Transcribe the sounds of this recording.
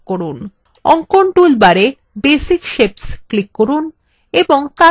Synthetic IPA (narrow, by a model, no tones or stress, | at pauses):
koɾun | ɔŋkoɳʈulbaɾe | besikʃepsklikːoɾun | eboŋt̪a